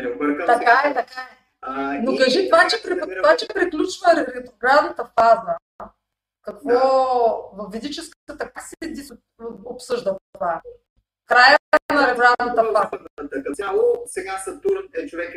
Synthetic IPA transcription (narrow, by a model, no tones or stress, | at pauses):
bɾt̪ɐkaɛt̪ɐkaɛ | nokɐʒit̪ovat͡ʃɛpɾivat͡ʃɛpɾiklʲut͡ʃvəɾɛɾɛt̪ɾoɡɾavnət̪ɐfazə | kɐkvɔvɐfvid̪it͡ʃɛskət̪ət̪ɐk̚asɛɛd̪is | opsɤʒd̪ət̪va | kɾajəaimɐɾɛt̪ɾavnɐt̪ɐfa | alˠosɛɡasɐt̪uɾnɛt͡ʃovɛk